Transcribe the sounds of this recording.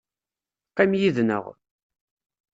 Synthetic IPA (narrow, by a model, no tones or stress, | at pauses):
qæmjiðnə̰ʁ